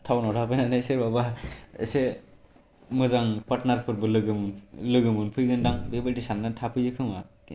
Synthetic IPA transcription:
tʰawnɔɾʰʱapajnanaseɾbabaḛse | mɯzaŋpaɾtnaɾpʰɯɾbɯlɯɡɯmnlɯɡɯmɯnpʰɯjɡɯndaŋbebɯdisanːɯntʰapʰɯjɯkʰɯma

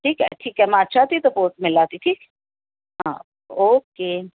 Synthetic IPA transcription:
ʈʰiːkɦɛ̰ʈʰiːkɦɛmɛ̃ət̪ːʃʰat̪it̪opoːsʈmɪlaːt̪iʈʰiːk | ɦãː | oːkeː

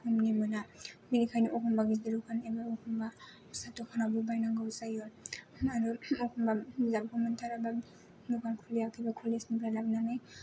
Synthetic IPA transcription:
kumnimɯnaminikʰajniʔɔkʰɔmbaɡidiɾukʰanebaɔkʰɔmba | satɔkʰanabubajnaɡawsajɔaɾuɔkʰɔmbazab̚kʰɔmɯntʰaɾaba | nuɡankʰulijakʰibakʰulisnibɾalabnaŋaj

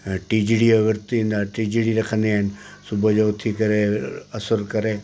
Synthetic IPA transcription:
ʈiːd͡ʒiɽieʋəɾt̪ĩnd̪aːʈiːd͡ʒiɽiɾɐkʰə̃nd̪iɪnsʊbod͡ʒoʊt̪ʰːikɐɾeɐsəɾkɐɾeː

